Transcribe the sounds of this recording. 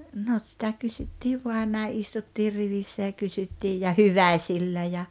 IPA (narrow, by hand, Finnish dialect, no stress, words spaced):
no sitæ kysytːiːʋ ʋoɑn næi ʔistutːir riʋisːæ jɑ kysytːiːj jɑ hyʋæĭsilːæ jɑ